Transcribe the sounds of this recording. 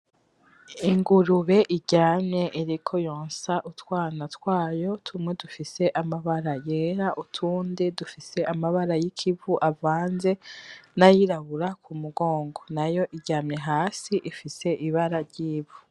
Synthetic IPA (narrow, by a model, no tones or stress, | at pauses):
iŋɡuɾuβe̞ʔiɟaːmɲe̞ʔiɾikʰo̞joːnsaʔutwaːnatwaːjo̞tʰumŋe̞dufise̞ʔamaβaɾajeːɾaʔutʰuːndedufise̞ʔamaβaɾajikʰivuʔavaːnze̞najiɾaβuɾakʰumuɡo̞ːŋɡo̞najo̞ʔiɟaːmɲe̞ɦaːsiʔifise̞ʔiβaɾaɾɟiːvu̥